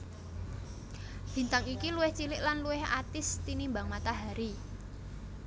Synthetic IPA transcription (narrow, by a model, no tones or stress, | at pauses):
b̥i̤nt̪aŋikiluwɪht͡ʃilɪʔlanluɪha̰t̪ɪst̪inimbaŋmat̪aɦaɾi